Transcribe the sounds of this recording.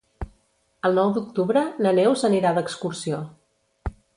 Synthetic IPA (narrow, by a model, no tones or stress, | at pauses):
əlˠnɔwd̪uk̚t̪uβɾənənewzəniɾad̪əkskursio